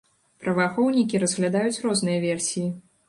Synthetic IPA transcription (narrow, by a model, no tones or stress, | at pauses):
pɾɐvaxɔwnʲikʲiɾɐzɣlʲad̪ajut͡sʲrɔznɨjɐvʲɛrsʲiji